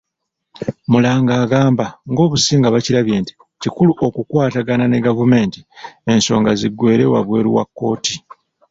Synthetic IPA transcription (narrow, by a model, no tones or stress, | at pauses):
mulaːŋɡaːɡaːmbaŋɡo̞ːβusiːŋɡaβaciɾaβje̞ːnti̥ | cikuluʔo̞kukwaːtaɡanane̞ɡavume̞ːntie̞nso̞ːŋɡaziɡːwe̞ːɾe̞̰wa̰βwe̞̰ːɾḭwa̰kːo̞ːti